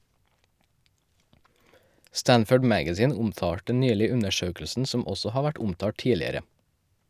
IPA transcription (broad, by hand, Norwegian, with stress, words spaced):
ˈstænfəɖ ˈmæɡæziːn ˈʊmˌtɑːʈə ˈnyːlɪ ˈʉnəˌʃøːkl̩sn̩ ˈsɔm ˈɔsɔ ˈhɑː ˈʋæʈ ˈʊmtɑː ˈʈiːlɪəɾə